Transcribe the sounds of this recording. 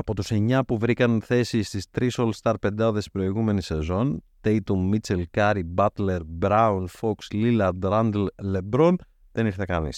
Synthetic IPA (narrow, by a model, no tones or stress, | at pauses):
ɐpo̞t̪use̞ɲɐpuvɾikɐnθe̞sist̪ist̪ɾiso̞lst̪ɐɾpe̞nd̪ɐðe̞spɾo̞iɣume̞nise̞zo̞nt̪e̞jt̪ommːit͡selkɐɾibɐt̪le̞ɾbɾɐunfo̞kslilɐd̪ɾɐnd̪elle̞bɾon | ðe̞niɾθekɐnḭs